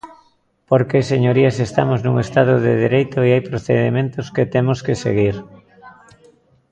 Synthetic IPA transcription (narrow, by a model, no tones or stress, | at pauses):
poɾkeseɲoɾiasest̪a̰moznuŋest̪að̞oðḛðiɾejt̪ʊeajpɾoθḛðḛmẽnt̪ʊsket̪emoskesḛɣ̞iɾ